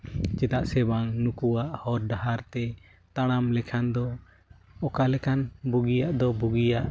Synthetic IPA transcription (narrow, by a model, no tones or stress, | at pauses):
t͡ʃɛd̪aʔsɛbaŋnukuwaʔhɔɾɖaɦaɾt̪ɛ | t̪aɽ̃amlɛkʰand̪ɔ | ɔkalɛkʰanbuɡijaʔd̪ɔbuɡijaʔ